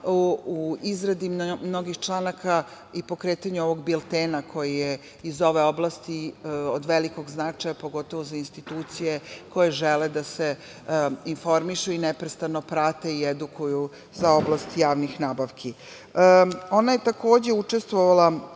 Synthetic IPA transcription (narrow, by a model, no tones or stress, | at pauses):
uizɾad̪imno̞ɡixt͡ʃlˠaːnaka | ipo̞kɾe̞ːt̪aɲuo̞ʋo̞ɡbilˠt̪enakʰo̞jije | izo̞ʋe̞o̞blˠast̪iod̪ʋe̞liko̞ɡznat͡ʃajapo̞ɡo̞t̪o̞ʋozainst̪it̪uːt̪sije̞ko̞jeʒeled̪ase | info̞ɾmiʃuinepɾest̪anopɾat̪eied̪ukuju | zao̞blˠast̪jaːʋnixnaːbaʋkʰi | o̞najet̪ako̞ːd͡ʑeut͡ʂe̞st̪ʋoʋalˠa